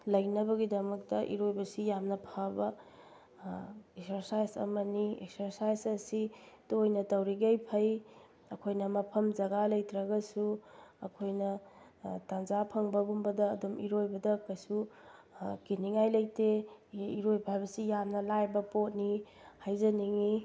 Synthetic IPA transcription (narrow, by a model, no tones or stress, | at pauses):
lɐjnɐbɐɡidɐmɐk̚tɐʔḭɾojbɐsijamnɐpʰabɐ | eksɐɾsajzɐ̰mɐniek̚sɐɾsajsɐsidojnɐtɐwɾiɡejpʰɐj | ɐkʰojnɐmɐpʰɐmd͡ʒɐɡalɐjtɾɐɡɐsuɐkʰojnɐ | tanzapʰɐŋbɐbumbɐdɐːdumiɾojbɐdɐkɐjsu | kiniŋajlɐjteiɾojpʰajbɐsijamnɐlajbɐpot̚ni | hajzɐniŋi